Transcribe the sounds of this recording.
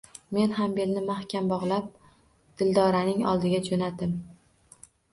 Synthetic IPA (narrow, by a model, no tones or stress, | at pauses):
me̞nɦambe̞lnɪmahkʲʰambɒʁlˠap̚ | d̪̥ɪld̪ɒɾanɪŋɒ̰lˠd̪ɪɡʲad͡ʒonat̪ɪm